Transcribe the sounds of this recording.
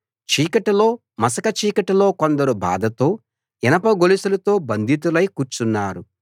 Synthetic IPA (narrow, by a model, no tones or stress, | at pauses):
t͡ʃiːkɐʈɐlo̞ː | mɐsɐkɐt͡ʃiːkɐʈɐlo̞ːkond̪ɐɾubʱa̰ːd̪ɐt̪o̞ː | ɛnɐpɐɡolisɐlɐt̪o̞ːbɐnd̪ʱit̪̬ulɐjkuːɾt͡ʃunːaːɾu